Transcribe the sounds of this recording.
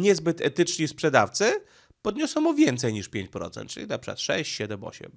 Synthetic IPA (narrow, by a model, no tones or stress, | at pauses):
ɲɛzbɘt̪ɛt̪ɘt͡ʂɲispʂɛd̪aft̪sɘ | pɔd̪ɲɔsɔ̃w̃mɔvʲjɛnt̪sɛjɲiʂpʲjeɲt͡ɕpɾɔ̰t̪sɛnt̪̚t͡ʂɨlʲit̪apʂɛa̰t̪ʂɛ̰ɕt͡ɕɕɛd̪ɛmɔ̰ɕɛ̰m